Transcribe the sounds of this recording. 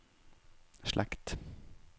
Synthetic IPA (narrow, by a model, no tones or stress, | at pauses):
ʃlʔæ̰kt̪